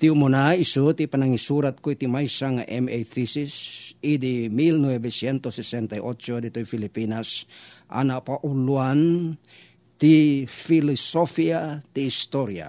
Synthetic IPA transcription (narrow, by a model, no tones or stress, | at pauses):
t̪iumonaisut̪ipanaŋisuɾat̪̚koit̪imajsaŋa̰ʔɛmet̪isisid̪imilnwebesjɛnt̪osɛsɛnt̪ajʔot͡ʃod̪it̪oifilipinasʔa̰napaʔuluan | t̪ifilɔsofiat̪iːst̪oɾja̰